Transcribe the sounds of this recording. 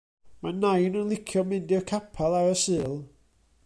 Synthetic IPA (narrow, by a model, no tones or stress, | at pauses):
manajnənlˠɪkʰjɔmɪndɪrkʰapʰalˠaɾəsɨːlˠ